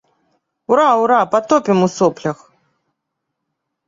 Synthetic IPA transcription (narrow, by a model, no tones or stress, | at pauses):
uɾawɾapat̪ɔpʲɪmusɔplʲɐx